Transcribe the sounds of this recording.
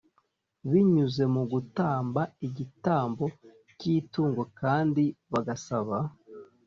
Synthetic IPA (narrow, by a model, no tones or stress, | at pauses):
βiɲuze̞muɡutaːmbaiɟitaːmbo̞ | ciːtuːŋɡo̞kaːndiβaɡasaβa